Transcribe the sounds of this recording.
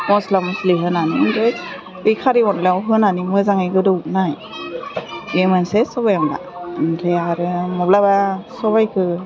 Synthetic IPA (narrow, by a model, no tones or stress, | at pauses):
mɔslamsliɦɯnanimiɾɯj | ɯjkʰaɾiɔnleawɦɯnanimɯzaŋɯjɡɯdɯwnaj | jemɯnsesɔbajamla̰nɾʰeaɾɯmɔblabasɔβajkʰɯ